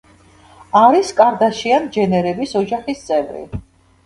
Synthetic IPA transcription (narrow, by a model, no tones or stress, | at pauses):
aɾiskʼaɾd̪aʃiand͡ʒɛnɛɾɛbisɔd͡ʒaχist̪sʼɛvɾḭ